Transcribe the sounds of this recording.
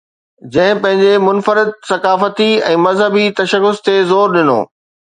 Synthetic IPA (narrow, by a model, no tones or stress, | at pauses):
d͡ʑɐ̃ɦɪ̃pɐ̃ɦɪ̃ɲd͡ʑemʊnfəɾɪd̪̚sɐkaːfət̪iɛ̃ːmɐzɦəbit̪ɐʃəɣʊzt̪ʰezoːɾɗɪno̰ː